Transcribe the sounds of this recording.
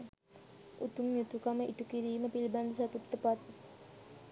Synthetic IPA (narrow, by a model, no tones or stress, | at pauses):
ut̪umjut̪ukaməʔiʈukiɾiːməpiliband̪usat̪uʈːəpat̪